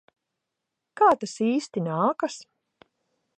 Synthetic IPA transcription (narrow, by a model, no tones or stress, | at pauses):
kaːt̪asiːst̪inaːkas